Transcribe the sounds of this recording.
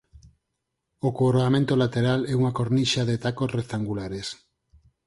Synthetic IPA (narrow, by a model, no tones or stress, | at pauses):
okoɾoamẽnt̪olat̪eɾalɛuŋakoɾniʃaðet̪akosrekt̪aŋɡulaɾes